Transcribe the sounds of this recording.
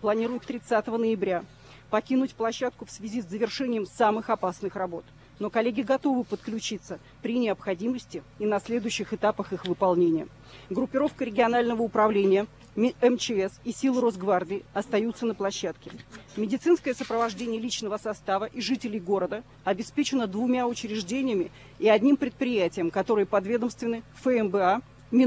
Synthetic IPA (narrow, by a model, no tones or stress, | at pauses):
plˠɐnʲiɾʊjɪft̪ɾʲɪt̪sat̪əvənəɪbɾʲa | pɐkʲinʊtʲplˠɐɕːat̪kʊfsvʲɪzʲiszːəvʲɪrʂɛnʲɪjəmsamɨxɐpasnɨxrɐbo̞t̪ | no̞kɐlʲeɡʲɪɡɐt̪o̞vɨpət̪klʲʉt͡ɕit̪sːə | pɾʲɪnʲɪəpxɐdʲiməsʲtʲɪ | inɐsʲlʲed̪ʊjʉɕːɪxɨt̪apəxɨxvɨpɐlˠnʲenʲɪjə | ɡɾʊpʲːɪɾo̞fkəɾʲɪɡʲɪɐnalʲnəvəʊpɾɐvlʲenʲɪjə | ɛmt͡ɕɪɛsisʲilˠro̞zɡvardʲɪːɐst̪ɐjut̪sːənəplˠɐɕːat̪kʲɪmʲɪdʲɪt̪sɨnskəjəsəpɾəvɐʐdʲenʲɪjəlʲit͡ɕnəvəsɐst̪avəʔiʐɨtʲɪlʲɪjɡo̞ɾəd̪ə | ɐbʲɪspʲet͡ɕɪnəd̪vʊmʲaʊt͡ɕɾʲɪʐdʲenʲɪjəmʲɪ | ɪɐdʲnʲimpɾʲɪt̪̚pɾʲɪjætʲɪjəmkɐt̪o̞ɾɨjəpɐd̪vʲe̞d̪əmst̪vʲɪnɨfɛɛmbɛa | mʲɪ